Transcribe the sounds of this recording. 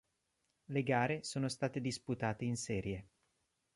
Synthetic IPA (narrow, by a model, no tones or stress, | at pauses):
leɡaːɾesoːnost̪aːt̪ed̪isput̪aːt̪einsɛːɾje